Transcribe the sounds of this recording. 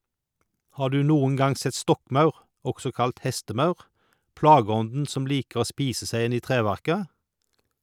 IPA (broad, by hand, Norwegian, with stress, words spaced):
ˈhɑː ˈɖʉː ˈnuːʊŋ ˈɡɑŋ ˈsɛt ˈstɔkˌmɑʉʁ ˈɔksɔ ˈkɑlt ˈhɛstəˌmɑʉʁ ˈplɑːɡəˌɔndn̩ ˈsɔm ˈliːkəʁ ˈoː ˈspiːsə ˈsæɪ ˈɪn ˈiː ˈtʁeːʋæʁkə